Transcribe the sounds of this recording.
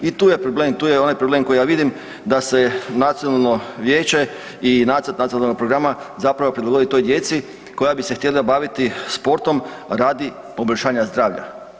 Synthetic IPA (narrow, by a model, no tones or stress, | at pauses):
it̪uːje̞pɾobleːmt̪uːjeo̞najpɾoble̞ːmko̞jijaːʋid̪im | d̪ase̞nat̪sijo̞nalˠno̞ʋjeːt͡ɕe̞ | inat̪əɾt̪nat̪ijonalnoɡ̚pɾo̞ɡɾamazapɾaʋo̞pɾid̪lˠaɡo̞d̪it̪o̞jd̪je̞t̪si | ko̞jabise̞xt̪je̞labaʋit̪ispo̞ɾt̪o̞mɾaːd̪i | po̞boʎʲʃaːɲazd̪ɾaːʋʎa̰